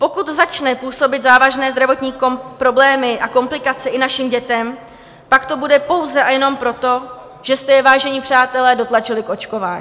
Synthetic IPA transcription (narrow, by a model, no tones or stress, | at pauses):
po̞kut̪zat͡ʃnɛpuːso̞bɪt̪zaːvaʒnɛːzd̪ɾavo̞t̪ɲiːkopɾo̞blɛːmɪʔako̞mplɪkat͡sɛʔɪnaʃɪmɟɛt̪ɛm | pakt̪o̞budɛpo̞wzɛʔajɛno̞mpɾo̞t̪o̞ | ʒ̥ɛst̪ɛjɛvaːʒɛɲɪpr̥aːt̪ɛlɛːdo̞t̪lat͡ʃɪlɪkʔo̞t͡ʃko̞vaːɲi